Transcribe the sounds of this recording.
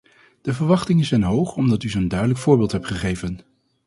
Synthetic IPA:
d̥əvəɹʋɑχtɪŋəzɛjnɦowχɔmdɑtyzondœɥdələkfʊːɹbɪːlˠtɦɛptχəχejvən

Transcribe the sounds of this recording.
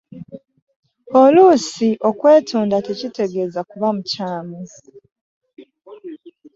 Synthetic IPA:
oluːsiʔo̞kwe̞ːtuːndate̞cite̞ɡe̞ːzakuβamucaːmu

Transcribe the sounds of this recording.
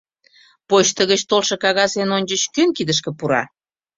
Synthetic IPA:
pot͡ɕt̪əɣət͡ɕt̪olʃɤ̆kɑɣɑsenonʲd͡ʑəɕkønkid̪əʃ̬kə̆puɾɑ̰

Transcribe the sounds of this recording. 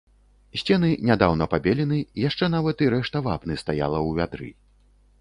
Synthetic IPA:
sʲt͡sʲɛnɨnʲad̪awnɐpabʲɛlʲinɨijaʂt͡ʂɛnavɐt̪iɾɛʂt̪ɐva̰pnɨst̪aja̰lˠɐwvʲad̪ɾɨ̰

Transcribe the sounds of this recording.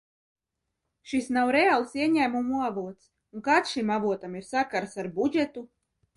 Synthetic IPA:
ʃisnawɾealˠsiɛɲæːmumuavuɔt̪s | uŋkaːt̪sʃimavuɔt̪amiɾsakaɾsaɾbud͡ʒet̪u

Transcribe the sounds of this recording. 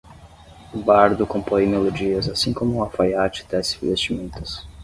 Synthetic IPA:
ʊbaɾd̪ʊkõmpõjmelod͡ʒiɐzasĩkõmʊũafajat͡ʃɪ̥t̪ɛzĩvest͡ʃimẽnt̪ʊ̥s

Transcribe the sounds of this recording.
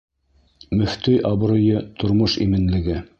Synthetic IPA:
mɵ̆ft̪ɵjʔɑb̆ɾŏjɤt̪ŏɾmoʃimɘ̆nlɘ̆ɡɘ

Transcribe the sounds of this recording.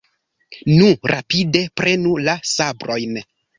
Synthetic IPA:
nuɾʔapide̞pɾʔe̞nulasabɾo̞jn

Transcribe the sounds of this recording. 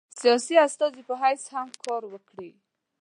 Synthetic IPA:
sijɑsiast̪ɑzipəɦajshamkʰɔɾwəkɽi

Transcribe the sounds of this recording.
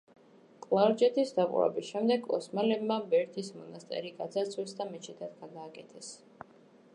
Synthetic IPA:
kʼlˠaɾd͡ʒɛt̪ʰisd̪aqʼṵɾɛ̰bisʃɛmd̪ɛɡʼɔ̰smalɛbmabɛɾt̪ʰismɔnast̪ʼɛ̰ɾiɡad̪zat̪sʰwisd̪amɛt͡ʃʰid̪ʰat̪ɡad̪aːkʼɛt̪ʰɛs

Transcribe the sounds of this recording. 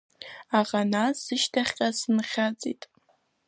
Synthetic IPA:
aʁanasɨʃtʰaχʲqʲʼasɨnχʲat͡sʼḭtʼ

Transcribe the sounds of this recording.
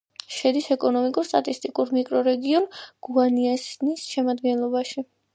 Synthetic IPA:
ʃɛd̪isɛkʼɔnɔmikʼuɾst̪ʼat̪ʼist̪ʼikʼuɾmikʼɾɔɾɛɡiɔnɡ̥uaniasnisʃɛmad̪ɡɛnlˠɔbaʃi

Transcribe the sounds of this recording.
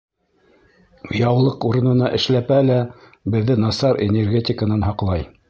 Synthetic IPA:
jɑwlˠɤquɾɤ̆nɤ̆nɑʔɘ̆ʃlæpælæ | bɘ̆ðːɘnɑsɑɾenʲerɡʲetʲɪkənɑnɦɑqlˠɑj

